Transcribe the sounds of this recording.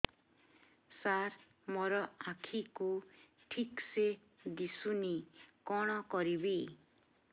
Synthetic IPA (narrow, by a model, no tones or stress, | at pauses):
saɾ | mɔɾɔakʰiku | ʈʰikse | d̪isunikɔɽ̃ɔkɔɾibi